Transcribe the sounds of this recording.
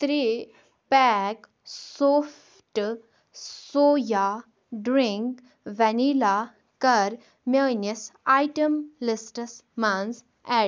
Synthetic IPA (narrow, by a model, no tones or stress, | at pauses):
t̪ɾi | pɛk | soːf | ʈ | soːja | ɖɾiŋk | ʋɛnila | kɐɾ | menisajʈəmlisʈəsmans | ɛ